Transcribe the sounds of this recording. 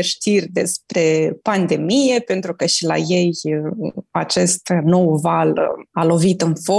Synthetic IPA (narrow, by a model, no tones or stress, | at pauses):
ʃt̪irʲd̪e̞̰spɾe̞pand̪e̞mije̞pe̞nt̪ɾukəʃila̰je̞j | at͡ʃe̞st̪no̞wvalalo̞vit̪ɨnfo